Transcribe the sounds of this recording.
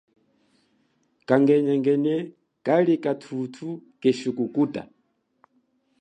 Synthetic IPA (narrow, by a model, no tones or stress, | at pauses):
kaŋɡɛɲɛŋɡɛnɛ | kʼalikʼatʰutʰukɛʃukukutʼa̰